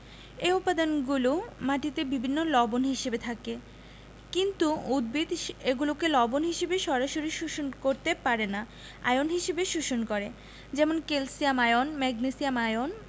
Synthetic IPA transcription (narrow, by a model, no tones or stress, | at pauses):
eupad̪anɡulomaʈit̪ebibʱinːolɔbonɦiʃebet̪ʰake | kint̪uud̪̚bʱid̪eɡulokelɔbonɦiʃebeʃɔɾaʃoɾiʃuʃonkoɾt̪epaɾena | a̰jonɦiʃebeʃuʃonkɔɾe | d͡ʑɛmonkelsiamajonmɛɡnesiamajon